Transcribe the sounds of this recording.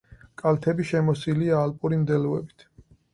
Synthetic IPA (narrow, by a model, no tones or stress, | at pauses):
kʼalt̪ʰɛbiʃɛmɔsiliaːlpʼuɾimd̪ɛlɔɛ̰bit̪ʰ